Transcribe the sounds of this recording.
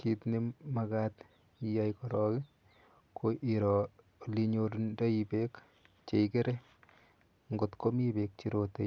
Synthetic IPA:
kitnimakat | ijajkɔɾɔːki | kʰoʔiɾɔ | liɲoɾndaibek | t͡ʃeikeɾe | ŋɡotkomibek̚t͡ʃiɾote

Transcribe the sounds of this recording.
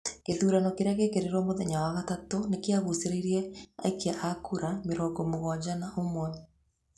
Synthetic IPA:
keðuːɾanɔkeɾeaɣekeɾeɾwɔmoðɛɲawaɣatatonekeaɣuseɾeiɾiɛa̰ekeaʔakuɾameɾɔːŋɡɔmoɣwad͡ʒanaʔomwɔ

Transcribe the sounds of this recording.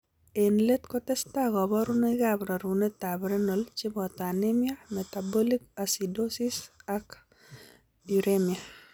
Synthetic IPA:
enletkɔtɛstakɔbɔɾunɔiɡabɾaɾunetabɾenɔlt͡ʃibɔtanemiametabɔlikasidosisak | diɾemia

